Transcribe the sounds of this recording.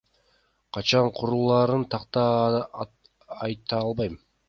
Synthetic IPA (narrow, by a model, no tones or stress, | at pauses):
qʰɑt͡ʃɑɴqʰuɾulˠɑɾɯnt̪ʰɑqt̪ɑ | jt̪ɑɑlˠbɑjm